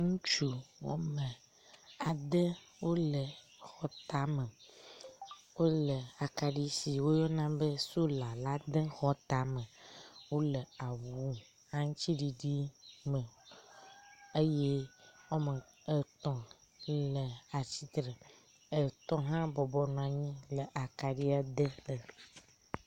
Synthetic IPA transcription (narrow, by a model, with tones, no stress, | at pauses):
ŋũ˦t͡ʃu˦wɔ̰˦mə̃˨ | a˨d̪e˦ | wo˦lə˨ | xɔ˨t̪a˨mə˨ | wo˦lə˨a˨ka˨ɖi˦si˨wo˦jɔ˦nã˦be˦so˦la˨la˦d̪e˦xɔ˦t̪a˨mə̃˨wo˦lə˨a˨wu˦ | hã˦ŋ̃˦t͡ɕi˦ɖi˨ɖi˦mə˨ | e˦je˦wɔ˦mə̃˨ | ə˨t̪ɔ̃˨lə˨a˨t͡ɕi˦t̪ɾe˨ | ə˨t̪ɔ̃˦ɦã˦bɔ˨bɔ˦nã˨ɲĩ˦lə˨ʔa˨ka˨ɖi˦a˨d̪e˦lə˨